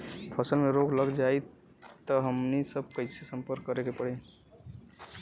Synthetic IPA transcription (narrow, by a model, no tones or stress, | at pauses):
pʰəsəlmeɾoɡləɡd͡ʒaj | t̪əɦəmnisəb̚kəɪsesəmpəɾkːəɾekepəɽ̤e